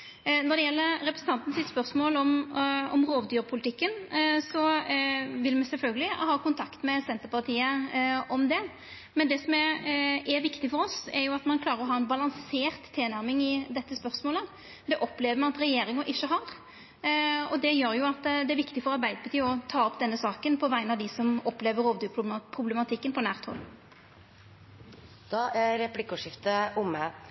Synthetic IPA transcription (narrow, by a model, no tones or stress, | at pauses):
nɔʁd̪ɛjɛlːəɾɾɛpɾəsn̩t̪ɑnt̪n̩sɪt̪spœɾsmoːlɔmɔmʁoːʋd̪yːɾpʰʊlɪt̪ɪkːənsɔ | ʋɪlmɛsɛlfœlɡəlɪhɑːkʊnt̪ʰɑkt̪mɛsɛnt̪əɾpɑʁt̪ʰiːəɔmd̪ɛ | mɛnd̪ɛsɔmɛɛɾʋɪkt̪ɪfɔɾɔsɛɾjʊɑt̪mɑnkʰlɑːɾəɾɔɦɑːɛnbɑlɑŋseːʁt̪ʰːeːnæɾmɪŋɪd̪ɛt̪ːəspœɾsmoːlə | d̪ɛʔɔpːleːʋəɾmɑnɑt̪ɾɛjeːɾɪŋɑʔɪʃːəɦɑɾ | ɔd̪ɛjøːɾjʊɑt̪ːd̪ɛæɾʋɪkt̪ɪfɔɾɑɾbæɪd̪əpʰɑt̪ʰiːɔt̪ʰɑːɔpd̪ɛnːəsɑːkənpʰɔʋæɪnɑd̪ɪsɔmɔpːleːʋəɾoːʋd̪ypʰʁʊblɛmɑt̪ʰɪkːənpʰɔnæːʁt̪ʰɔ̰l | d̪̥ɑːɾɛplɪkʊʂɪft̪əʊmə